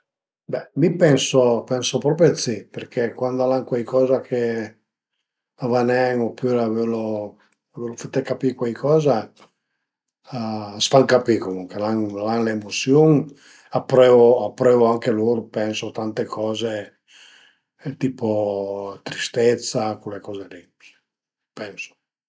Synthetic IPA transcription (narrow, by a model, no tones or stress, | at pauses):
bɛmipɛnsopɛnsopɾɔːp̬ɾjot̪siperkʰekwand̪alaŋkwajkɔːzakʰe | avanɛŋopuɾavelo | avelofat̪ːekapikwajkʰɔːza | sfaŋkapikomuŋkelaŋlaŋleːmot̪sjoŋ | apːɾɛːvoapːɾɛːvoaŋkeloɾpɛnsot̪ant̪ekʰɔːze | t̪iːpot̪ɾist̪et̪sːakulekɔːzed̪ipe | pɛŋso̥